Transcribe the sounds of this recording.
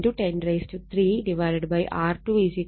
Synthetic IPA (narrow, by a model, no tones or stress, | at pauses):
ʈuʈẽnɖɾeːsʈut̪ʰɾiːɖiʋajɾeɖbɐjʔaːɾʈuːid͡ʒik